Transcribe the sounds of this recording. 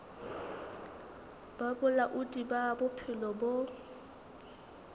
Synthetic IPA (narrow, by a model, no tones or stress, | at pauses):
b̥abʊlaʔʊdʼibabʊpʰɪlɔbo